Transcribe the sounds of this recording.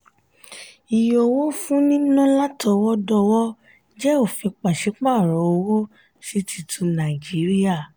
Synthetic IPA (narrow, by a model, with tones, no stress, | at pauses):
i˨jo˨wo˦fũ˦nĩ˦nũ˦la˦tɔ˧wɔ˦dɔ˧wɔ˦ | d͡ʒɛ˦o˦˨fĩ˧k͡pa˨ʃi˨˦k͡pa˦˨ɾɔ˨o˧˦wo˦ | ʃi˦ti˧tʰũ˧˦nã˨d͡ʒi˨˦ɾi˦ja˦˨